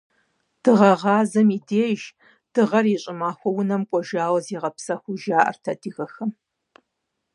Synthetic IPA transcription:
d̥ɨʁɐʁɑːzɐmiːdeːʒ | d̥ɨʁɐriɕʼɪmaːxʷɔwʊnɐmkʷʼɔʒaːwɐziːʁɐpsɐxʷʊʒaːʔɐ̰rtʰɐdɨɣɐxɐm

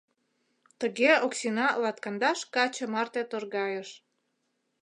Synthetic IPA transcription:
t̪əɣeoksinɑlɑt̪kɑnd̪ɑʃkɑt͡ɕə̆mɑrt̪et̪orɣɑjəʃ

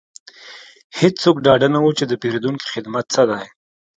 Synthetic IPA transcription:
hɪt͡ssokɖɑɖanawut͡ʃed̪əpeɾed̪uŋki̥xɪd̪mat̪səd̪aj

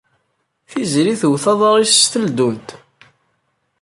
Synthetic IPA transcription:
θizɾiθwθɑðˤəɾˤist̪əld̪unt̪

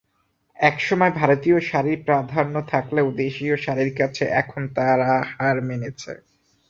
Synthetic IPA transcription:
ɛkʃɔmɔebʱaɾot̪ioʃaɾiɾpɾad̪ʱaɾnot̪ʰakleod̪eʃioʃaɾiɾkat͡ɕʰeʔɛkʰont̪aɾahaɾmenet͡ɕʰḛ

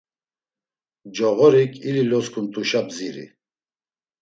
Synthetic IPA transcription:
d͡ʒɔɣɔɾikʰʼililɔskʰunt̪ʼuʃabziɾḭ

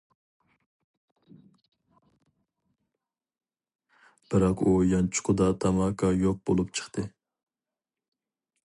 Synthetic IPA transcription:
b̥ɪɾɑqujɑnt͡ʃʰʊ̥qʰʊd̪ɑt̪ʰɑmɑːkʰɑjoq̚b̥olˠupt͡ʃʰə̥χt̪ʰɨ

